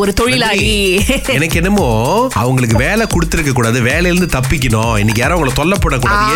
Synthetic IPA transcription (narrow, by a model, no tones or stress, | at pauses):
ɔɾɯt̪ɔɻɪlaːjiɛnɐkːɛnːɐmoːɐ̰ʋɐŋɡɐɭɯk̬ːɯʋeːlɛkʊɽɯt̪ːɪɾɯkːɐkːuːɽaːðɯʋeːlɛjɪɾɯnd̪ɯt̪ɐpːɪk̬ːɪɳõːɛnːɪk̬ːjaːɾɐ̃ːɐŋɡɐɭot̪ɔlːɐpːɐɽːɐkːuːɽaːðɯ